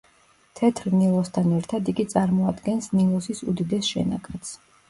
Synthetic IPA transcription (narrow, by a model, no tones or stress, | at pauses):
t̪ʰɛt̪ʰɾnilˠɔst̪ʰanɛɾt̪ʰad̪iɡit̪sʼaɾmɔad̪ɡɛnsnilˠɔsisud̪id̪ɛsʃɛ̰na̰kʰʼat̪s